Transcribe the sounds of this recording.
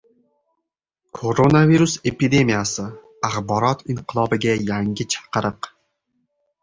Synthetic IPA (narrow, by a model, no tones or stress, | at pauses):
kʰoɾonaviɾuse̞pid̪e̞mijasɪ | aχbɒɾɒt̪ʰiɴqʰɨlˠɒbɪɡʲajaŋʲɪt͡ʃʰḁqɨɾɨq